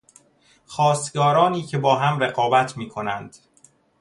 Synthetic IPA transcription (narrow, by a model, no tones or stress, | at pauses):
xɒːst̪ɡɒːɾɒːniːcʰe̞bɒːɦæmɾeɣɒːbæt̪ʰmiːkʰo̞nænd̪̥